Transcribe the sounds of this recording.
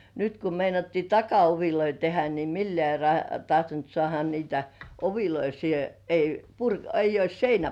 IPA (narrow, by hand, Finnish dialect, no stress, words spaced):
nyt ku meinɑtːiː tɑkɑoʋiloi tehæ ni milːĕæˑ rɑ tɑhtont sŏɑˑhɑ niːtæ oʋiloi siːhe ei purk eijˑ ois seinæ